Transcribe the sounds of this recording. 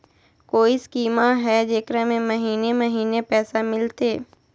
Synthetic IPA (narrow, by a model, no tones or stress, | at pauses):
koːiskiːmaɦɛd͡ʒeːkɾamẽmɐɦiːnemɐɦiːnepɛːsamɪlt̪eː